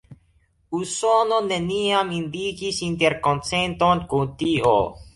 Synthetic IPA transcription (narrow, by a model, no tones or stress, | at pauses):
usononeniamind̪ikisint̪eɾkont͡sent̪onkunt̪io̰